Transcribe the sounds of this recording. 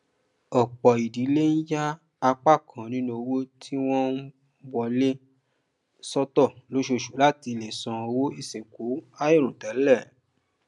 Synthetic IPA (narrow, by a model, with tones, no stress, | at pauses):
ɔ˨k͡pɔ˨i˨di˨˦le˦n̩˦ja˦ | a˧k͡pa˦˨kʰã˨nĩ˨˦nũ˧o˧wo˦tʰi˦w̃ɔ̃˦ | bɔ˧le˦ | sɔ˦tɔ˦˨lo˨˦ʃo˧˨ʃu˨˦la˦ti˧˨le˨sɔ̃˧o˧wo˦i˦˨se˨ko˨˦a˦je˦˨ɾ̃ũ˨tɛ˨˦lɛ˦˨